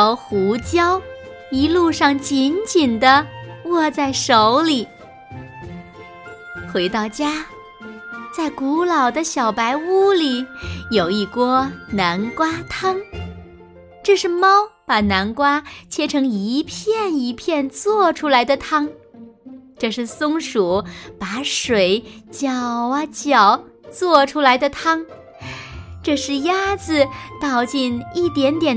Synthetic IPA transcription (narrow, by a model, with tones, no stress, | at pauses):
ʊxu˧˥t͡ɕjɑ˥ʊ | i˧˥lu˥˧ʂɑ˥˩ŋt͡ɕi˧˥nt͡ɕi˨˩nd̪ə˦wɔ˥˧t͡sa˥˩ɪʂo˧˥ʊli˨˩˦ | xwe˧˥ɪt̪ɑ˥˩ʊt͡ɕja˥ | t͡sa˥˩ɪku˧˥lɑ˨˩ʊd̪ə˦ɕjɑ˨˩ʊpa˧˥ɪu˥˩li˨˩˦jo˨˩ʊi˥˩kwɔ˥na˧˥nkwa˥t̪ʰɑ˥ŋ | ʈ͡ʂɤ˥˧ʂɻ̩˥˩mɑ˥ʊpa˨˩na˧˥nkwa˥t͡ɕʰjɛ˥ʈ͡ʂʰɤ˧˥ŋi˧˥pʰjɛ˥˩ni˧˥pʰjɛ˥˧nt͡swɔ˥˩ʈ͡ʂʰu˥la˧˥ɪd̪ə˧t̪ʰɑ˥ŋ | ʈ͡ʂɤ˥˧ʂɻ̩˥˩sʊ˥ŋʂu˨˩˦pa˨˧˥ʂwe˨˧˩ɪt͡ɕjɑ˨˩ʊɐ˧t͡ɕjɑ˨˩˦ʊ | t͡swɔ˥˩ʈ͡ʂʰu˥la˧˥ɪd̪ə˧t̪ʰɑ˥ŋ | ʈ͡ʂɤ˥˧ʂɻ̩˥˩ja˥d͡zɹ̩˧t̪ɑ˥˧ʊt͡ɕi˥˧ni˥˩t̪jɛ˧˥nt̪jɛ˨˩n